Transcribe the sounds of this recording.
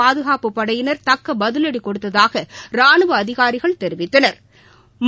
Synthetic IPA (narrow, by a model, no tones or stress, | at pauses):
aːðɯɣaːpɯpːɐɽɐjɪnɐɾt̪ɐkːɐbɐðɯlɐɽikɔɽɯt̪ːɐðaːɣɐɾaːɳɯʋɐɐðɪɣaːɾɪɣɐɭt̪ɛɾɪʋɪt̪ːɐnɐɾ | m